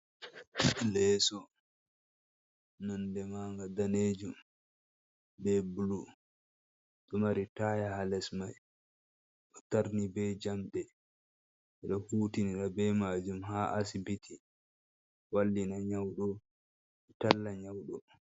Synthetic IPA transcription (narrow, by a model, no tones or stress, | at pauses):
lɛːsɔ | nandɛmaːŋɡadaneːd͡ʒum | bɛbulu | ɗɔmaɾitajahalɛsmaj | ɗɔtaɾnibɛd͡ʒamɗɛ | ɛɗɔhuːtiniɗabɛmad͡ʒumɦaʔasibitʰi | walːinaɲawɗɔ | ɛtalːaɲawɗɔ